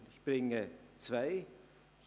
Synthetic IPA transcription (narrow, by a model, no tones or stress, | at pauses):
nɪçb̥ʁɪŋət͡sv̥aɪ